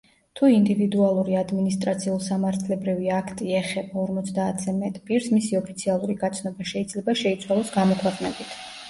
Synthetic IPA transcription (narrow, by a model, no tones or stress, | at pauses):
t̪ʰuind̪ivid̪ualˠuɾiad̪minist̪ʼɾat̪sʰiulˠsamaɾt̪ʰlɛbɾiviakʰt̪ʼiɛχɛbaɔɾmɔt̪sʰd̪aːt̪ʰz̥ɛmɛt̪ʼpʼiɾsmisiɔpʰit̪sʰialˠuɾiɡat̪sʰnɔbaʃɛid̪zlɛbaʃɛit̪sʰwalˠɔsɡamɔkʰwɛqʼnɛbit̪ʰ